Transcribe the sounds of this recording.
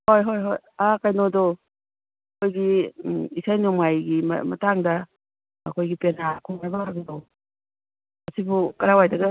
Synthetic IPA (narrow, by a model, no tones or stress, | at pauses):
hojɦojɦoj | akajnodo | kʰojɡiisajnumajɡimɐ̰mɐ̰taŋdɐ | ɐkʰojɡipenakʰuŋnabaɾɐɡɐdo | ɐsibukɐɾawajdɐɡɐ